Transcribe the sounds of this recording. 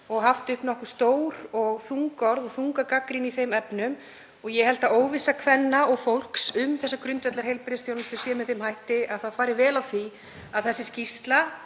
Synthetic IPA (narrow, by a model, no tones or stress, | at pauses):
ɔɣɦaft̪ʏhpnɔhkʏ̥st̪oːwɾɔɣθuŋkɔɾðɔɣθuŋkakakɾiniθejmɛpnʏm | ɔɣjɛhɛl̥t̪aoːwvɪsakʰvɛnːaɔɣfowl̥ksʏmθɛsːakɾʏnt̪vɛt̪laɾhɦejlpɾɪðɪsθjowlmɪst̪ɪɾsjɛmɛðθejmhajht̪ɪʔaðθaðfaːɾɪɾvɛːlawθi | aðθɛsːɪscist̪la